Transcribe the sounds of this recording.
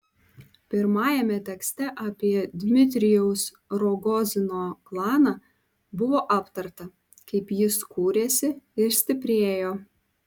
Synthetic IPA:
pʲɪɾmɑːjɛmʲɛt̪ʲɛksʲt̪ʲɛʔɑːpʲiɛd̪ʲmʲɪt̪ʲɾʲɪjɛʊs | ɾoɡɔzʲɪnoːklˠɑːnɑː | bʊʋoːʔɑːpt̪ɐɾt̪ɐ | kɐɪpjɪskuːɾʲeːsʲɪɪɾsʲt̪ʲɪpʲɾʲeːjoː

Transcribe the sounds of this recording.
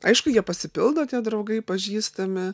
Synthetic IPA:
ɐɪʃkʊjiɛpɐsʲɪpʲɪlˠd̪oːt̪ʲiɛd̪ɾɐʊɡɐɪpɐʒʲiːst̪ɐmʲɪ

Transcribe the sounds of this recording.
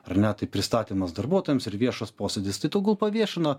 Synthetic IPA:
ɐɾnʲɛt̪ɐɪpʲɾʲɪst̪ɑːt̪ʲiːmɐsd̪ɐɾbuɔt̪oːjɛmsɪɾʋʲiɛʃɐspoːsʲɛd̪ʲɪst̪ɐɪt̪oʊɡʲɐlˠpɐʋʲiɛʃʲɪno

